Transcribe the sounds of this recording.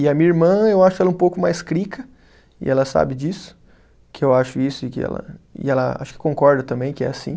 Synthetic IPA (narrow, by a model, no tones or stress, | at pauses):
ɪɐmĩɲɐiɾmɐ̃ewaʃʊkɛlɐũpowkʊmajskɾikɐ | ɪ̰ʔɛlɐsa̰bɪd͡ʒisʊ̥ | kɪewaʃʊisʊɪkɪɛ̰lɐ̰ɪ̰ɛlɐa̰ʃʊ̥kɪ̥kõŋkɔɾd̪ɐt̪ɐ̃mbẽj̃kɪɛ̰asḭ̃